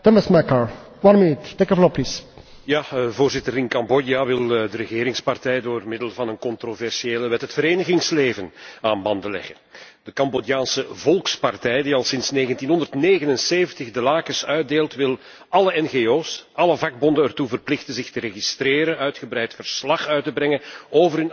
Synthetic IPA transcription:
tɔməsmɛkaɹ | wɑnminytːekəflɔplis | jaːvoʊːrzɪtəɾɪnkɑmbɔdjaʋɪlˠdəɾəɣeːɾɪŋspɑrtɛjdoːrmɪdəlˠvɑnənkɔntrovɛrsieːləʋɛtɦətfəɾeːnəɣɪŋsleːvənaːnbɑndəlɛ̰ɣən | d̥əkɑmbodjaːnsəvɔlˠkspɑrtɛjdiɑlˠsɪnsneːɣəntinɦɔndərtneːɣənənseːvəntəxdəlaːkəsœɥt̚deːlˠtʋɪl | ʔɑləɛnɣeːoːsɑləvɑɡ̚bɔndənɛrtuvərplɪxtəzɪxtəreɣistreːɾənœɥtxəbrɛjtfərslɑχœɥtəbrɛŋənoːvərn

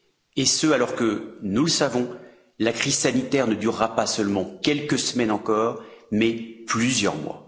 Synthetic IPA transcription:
esəalɔʁkənuləsavɔ̃ | lakχizsanit̪ɛʁnəd̪yʁːapasœlmɑ̃kʲɛlkəsəmɛnɑ̃kɔːʁmɛplyzjœ̰ʁmwa̰

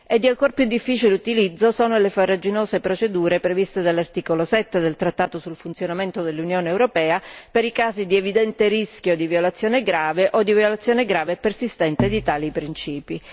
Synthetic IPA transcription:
ed̪ːialkorpjud̪ːifːiːt͡ʃilut̪ilid̪zːosoːnolefarːad͡ʒinoːzepɾot͡ʃed̪uːɾepɾevist̪ed̪alːart̪iːkolosɛt̪ːed̪elt̪ɾat̪ːaːt̪osulfunt̪sjonament̪od̪elːunjoːneːwɾopɛːapeɾikaːzid̪ievid̪ɛnt̪eɾiskjod̪ivjolat̪sjoːneɡɾaːveʔod̪ːiviolat̪sːjoːneɡɾaːvepersist̪ɛnt̪ed̪it̪aːlipɾint͡ʃiːpi

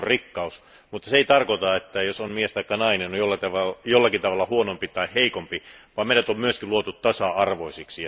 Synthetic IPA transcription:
rrikːɑus | mut̪ːɑseit̪ɑrkot̪ɑet̪ːæjosommiest̪ɑikːɑnɑinenojolːɑt̪ɑʋɑjolːɑkit̪ɑʋɑlːɑhuonompit̪ɑiheikompiʋɑːmeˑiɾæt̪ommyøskiluot̪ut̪t̪ɑsɑɑrʋoisiksi

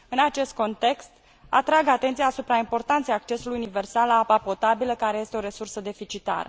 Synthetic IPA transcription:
ɨnat͡ʃe̞st̪̚ko̞nt̪e̞kst̪ | a̰t̪ɾaɡat̪e̞nt̪sijaːsupɾaimpo̞rt̪ant̪sejak̚t͡ʃe̞sulujunive̞rsalaapapo̞t̪abiləkaɾeje̞st̪eo̞ɾe̞sursəd̪e̞fit͡ʃit̪a̰ɾə̰

